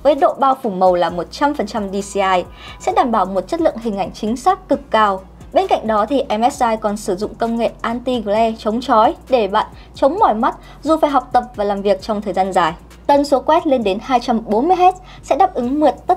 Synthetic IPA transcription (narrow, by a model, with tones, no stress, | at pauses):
vəː˨˦jɗo̰˧˨ɓaː˧wfu˧˩mə˨˩wlaː˨˩mo˨˩t̚t͡ɕa˧mfə˨˩nt͡ɕa˧mɗi˧si˧ʔaː˧j | sɛ̰˧˥ɗaː˧˩mɓaː˧˩wmo˨˩t̚t͡ɕə˦˥t̚lɨ̰˧˨əŋɦï˨˩ŋ̟ʔa˧˩jŋ̟t͡ɕï˨˦ŋ̟saː˦˥kkɨ˨˩kːaː˧˩w | ɓe˧nka̰˧˨ŋ̟ɗɔ˨˦t̪ʰi˨˩ʔɛ˧mʔɛ˦˥sʔaː˧jkɔ˨˩nsɨ˧˩zʊ̰˧˨ŋ͡mkə˧wŋ͡mŋḛ˧˨ʔaː˧nt̪i˧ɣlɛ˧t͡ɕə˨˦wŋ͡mt͡ɕɔ˨˦jɗe˧˩ɓa̰ː˧˨n | t͡ɕə˨˦wŋ͡mmɔ˧˩jma˦˥t̚ | zu˨˩faː˧˩jɦa˨˩wk͡p̚t̪ə˨˩p̚vaː˨˩laː˨˩mvi˨˩ək̚t͡ɕɔ˧wŋ͡mt̪ʰəː˨˩jzaː˧nzaː˨˩j | t̪ə˨˧˩nso˨˦kwɛ˦˥t̚le˧nɗe˨˦nhaː˧jt͡ɕa˧mɓo˨˦nmɨ˧əjɦɛ˦˥t̚ | sɛ̰˧˥ɗaː˨˩p̚ʔɨ˨˦ŋmɨ˨˩ət̚t̪ə˦˥